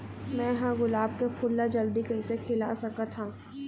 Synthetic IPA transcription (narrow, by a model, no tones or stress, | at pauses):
mɛ̃ːjɦãɡʊlaːb̚kepʰʊlːad͡ʒɐld̪ikɐisekʰɪlasɐkat̪ʰaː